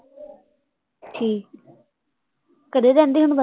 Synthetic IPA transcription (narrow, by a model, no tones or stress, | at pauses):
ʈʰiː | kəɖeːɾɛ̃ːnd̪eːɦənbə